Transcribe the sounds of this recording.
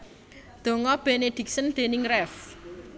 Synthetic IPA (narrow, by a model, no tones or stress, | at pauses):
d̪̥o̤ŋɔb̥ened̪̥i̤k̚sənd̪̥e̤nɪŋrɛf